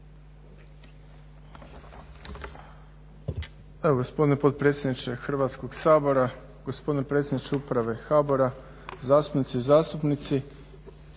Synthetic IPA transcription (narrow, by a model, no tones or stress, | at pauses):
eoɡo̞spo̞d̪inepo̞t̪̚pɾe̞ːt̪sʲjed̪nit͡ʃexrʋaːt̪sko̞ɡsaːbo̞ɾa | ɡo̞spo̞d̪inepɾet̪sʲjed̪nit͡ʃeupɾaʋe̞xaːbo̞ɾa | zaːst̪u̥pnit̪sizaːst̪upnit̪si